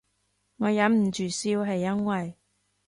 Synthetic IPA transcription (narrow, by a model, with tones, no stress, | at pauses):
ŋɔː˨˧jɐ˨˧˥nm̩˨˩t͡ʃyː˨˩siː˧wɦɐ˨jːɐ˥nwɐ˨j